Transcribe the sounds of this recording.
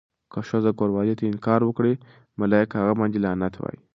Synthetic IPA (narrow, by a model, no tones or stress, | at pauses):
kəʃozakoɾwɑlet̪eɪnkɑɾwəkɽe | malɑɪkhaɣamɑnd̪ilɑnat̪wa̰ḭ